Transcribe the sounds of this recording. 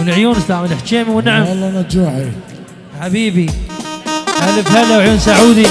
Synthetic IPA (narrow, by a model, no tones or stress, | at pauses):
wɪlʕjuːnɪst̪aʕmɪlɪħʃeːmiwɪnːaʕamlːnad͡ʒaʕ | ħabiːbi | ʔalːɪfhalːawʕjuːnsaʕuːd̪i